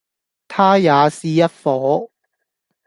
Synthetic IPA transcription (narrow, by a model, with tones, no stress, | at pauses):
t̪ʰaː˥jaː˨˧siː˨jɐ˥t̚fɔː˨˥˦